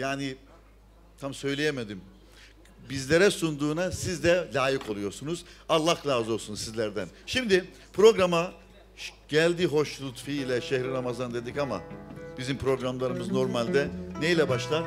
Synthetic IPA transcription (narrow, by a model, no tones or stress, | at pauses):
jaːni | t̪ʰamsø̞jlʲejemed̪im | bizlʲe̞ɾɛsund̪uːnasizd̪ɛlʲaːjɯkʰo̞lˠujo̞ɾsunuz̥alˠːahlʲˠaːzoɾsunsizlʲæɾd̪ænʃimd̪ɪ | pʰɾo̞ɡɾama | ɟ̥ælʲd̪iːɦo̞ʃlˠut̪fiːlʲɛʃehɾiɾamazand̪e̞d̪icama̰b̥izimpʰɾo̞ɡɾamlˠaɾɯmɯzno̞ɾmalʲd̪ɛnejilʲɛbaʃlˠaɾ